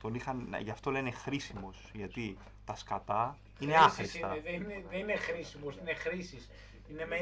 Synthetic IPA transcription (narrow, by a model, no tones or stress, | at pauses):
t̪o̞nixɐn̰ʝɐft̪o̞le̞ne̞xɾisimo̞sʝɐt̪i | t̪ɐskɐt̪ɐ | ine̞ɐsxɾist̪ɐðenineðeninexɾisimosinexɾisis | ineme